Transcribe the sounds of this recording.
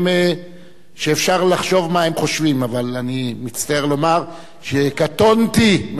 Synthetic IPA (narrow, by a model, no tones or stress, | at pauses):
me | ʃeːfʃaʁlaχʃo̞vmahemχo̞ʃvimavalanimit͡st̪aeʁlo̞maʁ | ʃekat̪o̞nt̪im